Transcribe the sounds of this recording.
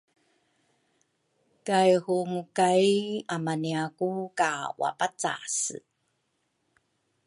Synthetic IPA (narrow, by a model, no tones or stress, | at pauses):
kajhuŋukajamaniakukawa̰pat͡sa̰s